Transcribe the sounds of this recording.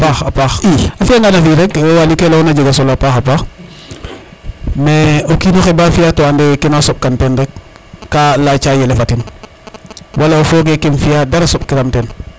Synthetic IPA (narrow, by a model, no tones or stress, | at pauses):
paxapaxiafiaŋɡanafiɾekwewalikelonaɟeɡasolapaxapax | meokinoxebaːfijatoandekenasop̚kantenɾek̚ːalat͡ʃajelefatin | wʔalaofoːɡekenfijadaɾasop̚kiɾamten